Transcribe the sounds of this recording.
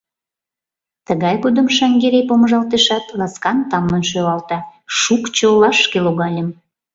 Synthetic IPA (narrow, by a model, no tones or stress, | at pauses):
t̪əɣɑjɣod̪əmʃɑŋɡeɾepoməʒɑlt̪eʃɑt̪lɑskɑnt̪ɑmlənʃøβɑlt̪ɑʃukt͡ɕolɑʃkeloɣɑlʲəm